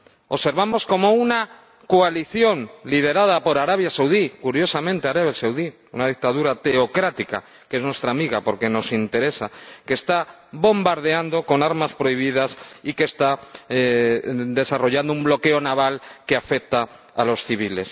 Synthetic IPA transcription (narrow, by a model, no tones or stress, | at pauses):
oβse̞ɾβamo̞sko̞mo̞una | koaliθjo̞nlið̞e̞ɾað̞apo̞ɾaɾaβ̞jasawðikuɾjo̞samẽnt̪eaɾaβjasawði | unað̞ik̚t̪aðuɾat̪e̞okɾat̪ika̰ | kee̞znwe̞st̪ɾamiɣapo̞ɾke̞no̞sint̪e̞ɾe̞sake̞ːst̪a | bo̞mbaɾð̞e̞and̪o̞ko̞naɾmaspɾo̞iβ̞iðasikest̪a | d̪e̞saro̞ʝand̪oumblo̞ke̞o̞naβalkeafe̞k̚t̪aː | lo̞sθiβile̞s